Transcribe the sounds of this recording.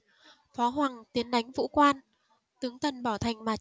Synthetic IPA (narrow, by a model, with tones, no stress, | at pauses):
fɔ˨˦ɦwaː˨˩ŋt̪i˨˦ənɗa˨˦jŋ̟vṵ˧˥kwaː˧n | t̪ɨ˨˦əŋt̪ʰə˨˩nɓɔ˧˩t̪ʰa˨˩jŋ̟maː˨˩